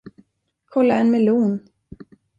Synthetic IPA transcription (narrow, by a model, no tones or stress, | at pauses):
kʰɔlːaɛnmɛluːn